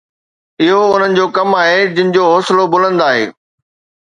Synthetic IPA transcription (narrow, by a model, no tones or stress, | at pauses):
ɪɦoʊn̤ənɪ̆d͡ʑoːkɐmaːɦed͡ʑɪ̃nɪ̆d͡ʑoːɦɔːsɪlobʊlə̃nd̪aːɦḛː